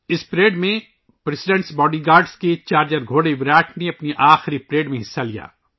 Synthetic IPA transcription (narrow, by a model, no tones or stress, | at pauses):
ɪspɾeːɖmẽ | pɾɛsɪɖɛ̃ɳʈsbɔːɖiɡaːɾɖsket͡ʃaːɾd͡ʒəɾɡʱoːɽeʋɾaːʈʰneɐpniʔaːxɪɾipɾeːɖmẽɦɪsːalija̰ː